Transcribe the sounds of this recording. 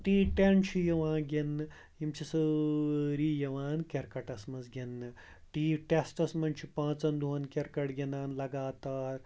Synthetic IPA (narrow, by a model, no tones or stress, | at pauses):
ʈiːʈent͡ʃʰijɐʋãːnɡʲenːɨ | jimt͡ʃʰisə | ɾiːjɐʋaːnkʲeɾkɐʈɐsmɐzɡʲenːɨ | ʈiːʈesʈɐsmɐnt͡ʃʰipãːt͡sɐnd̪uʋɐnkʲeɾkɐʈɡʲenaːnlɐɡaːt̪aːɾ